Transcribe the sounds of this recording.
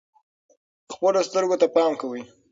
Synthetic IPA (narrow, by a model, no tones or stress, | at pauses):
xpəlost̪əɾɡot̪apɑmkawi